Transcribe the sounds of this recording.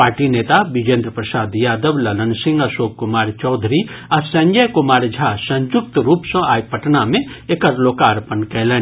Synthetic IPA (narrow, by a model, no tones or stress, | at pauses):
paːɾʈineːt̪abid͡ʒẽnd̪ɾəpɾɐsaːd̪jaːd̪əʋlɐlənsɪ̃ŋɡɐsoːkkʊmaːɾt͡ʃɔːd̪ʱɾiɐsɐ̃ɲd͡ʒəjkʊmaːɾd͡ʒʱaːsɐ̃ɲd͡ʒʊk̚t̪ɾuːpsɐ̃aːjpəʈnamẽ | ekɐɾloːkaːɾpənkɛːlɛː